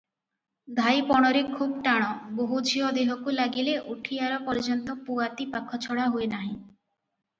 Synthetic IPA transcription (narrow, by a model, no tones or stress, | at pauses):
d̪ʱajpɔɽ̃ɔɾekʰubɔʈaɽ̃ɔboɦud͡ʒʱiɔd̪eɦɔkulaɡileʔuʈʰijaɾɔpɔɾd͡ʒɔnt̪ɔpuat̪ipakʰːɔt͡ʃʰɔɽaɦuenaɦĩ